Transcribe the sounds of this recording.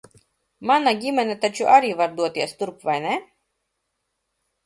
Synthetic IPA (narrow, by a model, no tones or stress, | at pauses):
manaɡʲimʲɛnʲɛt̪at͡ʃuʔaɾiːvaɾd̪uɔt̪iɛst̪uɾpvajnɛ